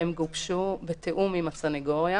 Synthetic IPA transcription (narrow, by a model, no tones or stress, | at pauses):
emɡubʃubet̪ʰeʔumimat͡saneɡoʁja